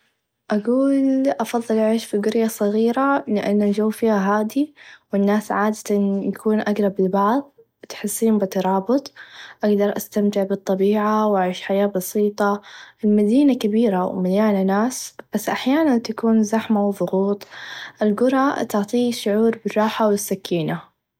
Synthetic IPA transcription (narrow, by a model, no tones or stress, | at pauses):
ʔaɡuːlʔɑfɑðˤːɨlʕeːʃfiɡʊɾjasˤɨɣiːɾalɪʔanːald͡ʒawːfiːhaɦaːd̪iwɪnːaːsʕaːd̪at̪anjakuːnʔaɡɾˤɑblɪbɑʕðˤ | t̪ħɪsːiːnbɪt̪ɑɾˤɑːbɨt̪ˤʔaɡd̪ɑɾˤʔast̪amt̪ɪʕbɨt̪ˤːɑbiːʕawʔaʕiːʃħajaːbɑsiːt̪ˤɑɪlmad̪iːnakabiːɾawmaljaːlanaːsb̥asːʔaħjaːnant̪akuːnzaħmawðˤʊɣuːt̪ˤʔɪlɡʊɾˤɑt̪ʊʕt̪ˤiːʃʊʕuːɾbɪrˤːɑːħawɪsːakːiːna